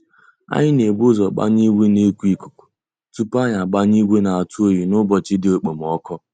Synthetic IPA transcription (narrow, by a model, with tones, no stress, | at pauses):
a̰˦ɲɪ˦ne˨ɡ͡bo˦zɔ˨k͡pa̰˦ɲi˦ɡʷe˦ne˦kʷi˦˨ku̥˨ku̥˨ | tu˦pa˦ɲa˨ɡ͡ba˦ɲi˦ɡʷe˦na˨a˨tu˦o˦ji˨nʊ˦bɔ˨t͡ʃɪ˦dɪ˦o˨k͡pe˨m˨ɔ˦kɔ˦